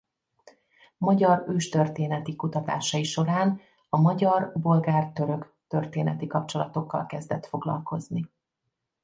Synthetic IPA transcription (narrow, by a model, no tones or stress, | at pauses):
mɒɟɒrøːʃt̪ø̞rt̪eːnɛt̪ikut̪ɒt̪a̰ːʃɒiʃo̞ɾaːn | ɒmɒɟɒrbo̞lɡaːrt̪ø̞ɾø̞k | t̪ørt̪eːnɛt̪ikɒp̚t͡ʃo̞lɒt̪o̞kːɒ̰lkɛzd̪ɛt̪fo̞ɡlɒ̰lko̞zni